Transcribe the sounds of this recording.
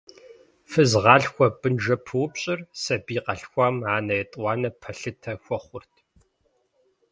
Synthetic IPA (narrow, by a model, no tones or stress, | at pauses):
fɨzʁɑːɬxʷɔb̥ɨnʒɐpʰɨwʊpɕʼɪrsɐbiːqɐɬxʷaːmaːnɐjɛtʼwɑːnɐpʰɐɬɨtʰɐxʷɔχʷʊrtʰ